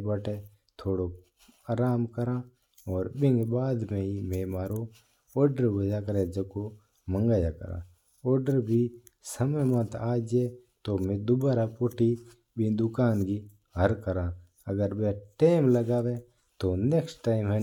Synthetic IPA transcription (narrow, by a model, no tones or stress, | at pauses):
bəʈe | t̪ʰoːɽo | aːɾaːmkəɾãː | ɔːɾbɪ̃ŋɡbaːd̪mẽimeːmaːɾo | ɔːɾɖəɾbɐd͡ʒakəɾẽd͡ʒɐko | mə̃ŋɡaːjakə̰ɾã̰ː | ɔːɾɖəɾbʱi | sɐməjmət̪aːd͡ʒet̪omẽd̪ʊbaːɾapʊʈi | bʱid̪ʊkaːnɡi | ɦəɾkəɾãː | ɐɡəɾbeʈeːmləɡaːʋẽ | t̪oneksʈaːɪmɦɛ